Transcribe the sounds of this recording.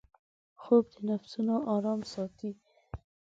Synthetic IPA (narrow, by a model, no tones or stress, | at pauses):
xob̚d̪ənafsunoʔɑɾɑmsɑt̪i